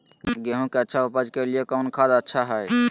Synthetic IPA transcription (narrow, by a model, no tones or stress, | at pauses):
ɡeɦõkeətːʃʰaupəd͡ʒkeliekəʊnkʰad̪aətːʃʰaɦəj